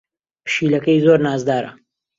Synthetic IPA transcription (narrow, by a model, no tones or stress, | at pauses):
pʃiːlɐkɐjzoɾnaːzd̪aːɾɐ̰